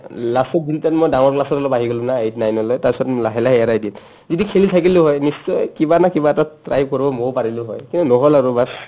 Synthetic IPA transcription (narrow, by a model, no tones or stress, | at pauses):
lasɔdintatmojdaŋɔɹklasɔtɔlɔbaɦiɡolʊ̃naejtnajnɔlɔjtasɔtlaɦɛlaɦɛɛɹajdin | zidikʰelitʰakilʊɦɔjnisːɔjkibanakibatatɹa̰jb̚koɹibɔmowpaɹilʊɦɔ̰jkintunɔɦɔlaɹubas